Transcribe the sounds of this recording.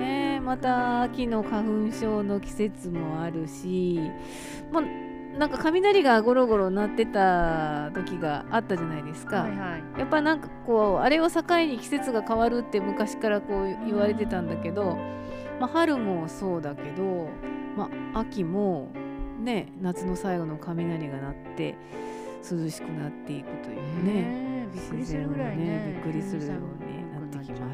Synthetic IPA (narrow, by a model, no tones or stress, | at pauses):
nemat̪aːkʲino̞kaɸɯ̟̃ɰ̃ɕo̞ːno̞kʲi̥se̞t͡sɨmo̞aɾɯ̟ɕi | mo | nãŋkakamʲinaɾʲiɡaɡo̞ɾo̞ɡo̞ɾo̞nat̪ːe̞t̪at̪o̞kʲiɡaːt̪ːaʑanaid̪e̞sɨ̥ka | japːainãŋkḁko̞ːa̰ɾe̞osakaiɲ̟ikʲi̥se̞t͡sɨɡakaβaɾɯ̟t̪ːe̞mɯ̟kaɕi̥kaɾako̞ːiβaɾe̞t̪e̞t̪ãnd̪ake̞d̪o̞ | mahaɾɯ̟mo̞so̞ːd̪ake̞d̪o̞maakʲimo̞ne̞nat͡sɨno̞saiɡo̞no̞kʰamʲinaɾʲiɡanat̪ːe̞̰ | sɨzɨɕi̥kɯ̟nat̪ːe̞ikɯ̟̥t̪o̞jɯ̰ne̞ɕizẽ̞one̞bʲikːɯ̟ɾʲisɨɾɯ̟jo̞̰ːɲ̟ḭnat̪ːe̞kʲimas